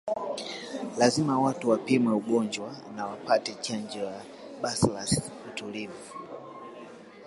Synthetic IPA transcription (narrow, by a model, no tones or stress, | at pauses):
lazimawatuwapimwɛuɡɔnd͡ʒwanawapatɛt͡ʃand͡ʒɛwa | ɓaslas | utulivu